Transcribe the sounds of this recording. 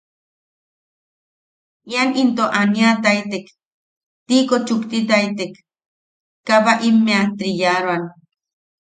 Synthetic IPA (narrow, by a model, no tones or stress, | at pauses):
ianint̪oʔaniat̪ajt̪ek | t̪ikot͡ʃukt̪it̪̬ajt̪ekː | aβaʔimːeat̪ɾijaɾwan